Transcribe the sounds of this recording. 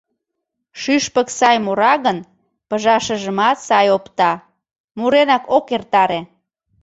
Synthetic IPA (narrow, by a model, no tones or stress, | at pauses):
ʃyʃpəksɑjmoɾɑɣən | pəʒɑʃəʒəmɑt̪sɑjopt̪ɑ | muɾenɑkokert̪ɑɾe